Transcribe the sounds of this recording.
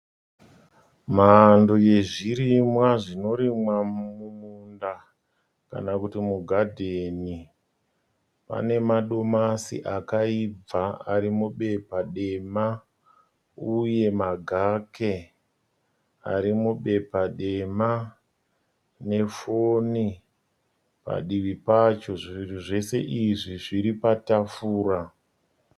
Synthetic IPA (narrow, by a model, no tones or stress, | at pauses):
maːndoje̞ʐiɾimwaʐino̞ɾimwamununda | ka̰nakutimuɡʱadʱeni | pa̰ne̞maɗo̞masḭʔakaib͡vaaɾimuɓe̞paɗe̞ma | uje̞maɡʱake̞ | a̰ɾimuɓe̞paɗe̞ma | ne̞foni | pa̰ɗiʋipat͡ʃo̞ʐiiruʐe̞se̞ʔiʐiʐiɾipatafuːra